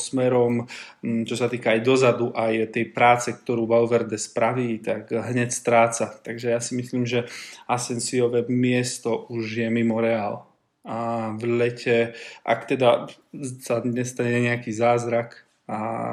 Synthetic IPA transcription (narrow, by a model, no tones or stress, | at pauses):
smɛɾɔmt͡ʃɔsat̪iːkaːjd̪ɔzad̪uʔajt̪ɛjpɾaːt͡sɛk̚t̪ɔɾuːbaʊʋɛɾd̪ɛspɾaʋiːt̪aɡɦɲɛcst̪ɾaːt͡sat̪aɡʒɛjasimisliːmʒɛasɛnsiɔʋɛmɪɛst̪ɔʔuʒjɛmimɔɾɛaːl | aʋlɛcɛʔa̰kt̪ɛd̪a | saɲɛst̪aɲɛɲɛakiːzaːzɾak | a̰